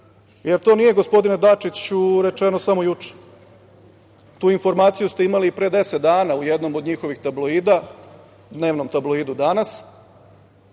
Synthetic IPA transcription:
jeɾt̪o̞nije̞ɡo̞spo̞d̪ined̪at͡ʂit͡ɕuɾe̞t͡ʃe̞nosamo̞jut͡ʂe̥ | t̪uːinfo̞ɾmaːt̪sijust̪eimaliːpɾe̞ːd̪e̞set̪d̪aːnaujed̪no̞mo̞d̪ɲixo̞ʋixt̪abloiːd̪a | d̪ne̞ːʋno̞mt̪abloiːd̪ud̪anas

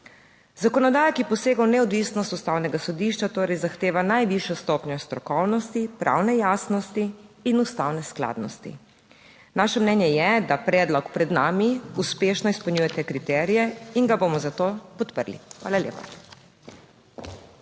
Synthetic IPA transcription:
zakɔnɔd̪aːjakijɛpɔseːɡawnɛɔd̪ʋisnɔst̪ust̪awnɛɡasɔd̪iːʃt͡ʃat̪oːɾɛjzaxt̪eːʋanajʋiʃjɔst̪oːpɲɔst̪ɾɔkɔwnɔst̪ipɾʔa̰wnɛjaːsnɔst̪iːnust̪awnɛskla̰ːd̪nɔst̪ḭ | naːʃɛmnɛnjɛjɛd̪apɾɛːd̪lɔkpɾɛd̪naːmiuspeːʃnɔispɔwɲujɛt̪ɛkɾit̪ɛːɾijɛinɡabomɔzat̪oːpɔt̪pəɾlḭxʋa̰ːlaljḛːpa̰

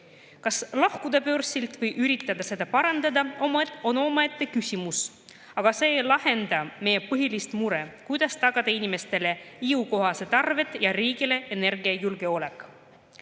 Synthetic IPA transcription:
kɑslɑhkud̪̥ɑpø̞rsilt̪ˑvɤjʔyɾit̪ːˑɑd̪̥ɑse̞d̪̥ɑpɑɾɑnd̪̥ɑd̪ɑomo̞no̞mɑet̪ːˑekysʲimus | ɑɡ̥ɑse̞ːjlɑhe̞nd̪ɑme̞jepɤɦilist̪muɾe̞kujd̪̥ɑst̪ɑɡ̥ɑd̪̥ɑinime̞st̪e̞le̞iuko̞ɦɑse̞t̪ɑrve̞t̪ːˑjɑɾiːɡile̞ene̞rɡiɑjulɡe̞o̞le̞kːˑ

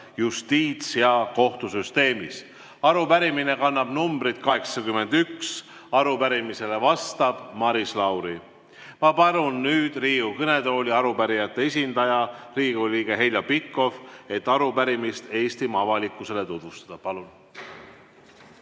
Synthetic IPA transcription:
just̪iːt̪sijɑko̞ht̪usyst̪e̞ːmis | ɑɾupæɾimine̞kɑnːɑb̥numbɾid̪̥kɑɦe̞ksɑkymːe̞nd̪̥yks | ɑɾupæɾimise̞le̞vɑst̪ɑb̥mɑɾislɑwɾi | mɑpɑlunːyːd̪̥riːɡukɤne̞d̪o̞ːlʲiɑɾupæɾijɑt̪ˑːe̞es̬ʲind̪̥ɑjɑriːɡuliːɡ̥e̞ɦe̞jlɑpikːˑo̞fe̞t̪ːˑɑɾupæɾimist̪e̞ːst̪imɑvɑlikːˑuse̞le̞t̪ud̪̥vust̪ɑ̥d̪̥ɑpɑlun

